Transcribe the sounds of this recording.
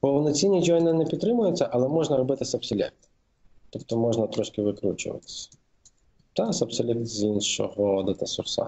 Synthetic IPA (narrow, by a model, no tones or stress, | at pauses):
pɔwnɔt͡sʲinʲːid͡ʒɔjnɪnɛpʲid̪t̪ːɾɪmʊjʊt͡sʲːɐʔɐlˠɛmɔʒnɐɾɔbɪt̪ɪsʲɐpsɔlʲɛ̰t̪ | t̪ɔpt̪ɔmɔʒnɐt̪ɾɔʃkɪʋɪkɾṵt͡ʃʊ̰ʋɐ̰t̪ɪ̥sʲɐ̥ | t̪asɐbsɐlʲɛzʲinʃɔ̰ɦɔd̪ɐt̪ɐsʊ̰rsa̰